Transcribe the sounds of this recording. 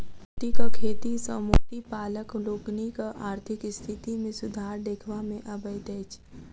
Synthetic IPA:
ʈikakʰeːt̪isəmoːʈ̪ipaːləkloːɡnikaʔaːɾt̪ʰɪkst̪ʰɪt̪imẽsʊd̪ʱaːɾd̪eːkʰʋamẽʔɐbəjd̪eːt͡ʃ

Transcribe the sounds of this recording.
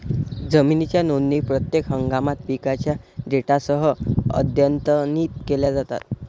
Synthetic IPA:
d͡zəminit͡ɕjanonːipɾət̪jekɦəŋɡamat̪pikat͡ɕjaɖeʈasəɦəə̰d̪ʱjənt̪əniːt̪keljad͡zat̪a̰t̪

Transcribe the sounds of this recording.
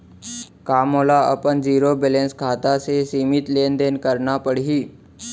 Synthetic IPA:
kaːmoːlaə̰pənd͡ʒiːɾobelẽːnskʰaːt̪asesiːmɪt̪leːnd̪eːnkəɾnapəɽɦiː

